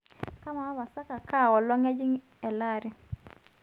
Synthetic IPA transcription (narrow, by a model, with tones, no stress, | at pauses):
ka˦ma˨a˦ba˨sa˦ka˨ka˦˨wɔ˨lɔ˦ŋɛ˦d͡ʒɪ˦ŋ | ɛ˨la˦˨ɾɪ˦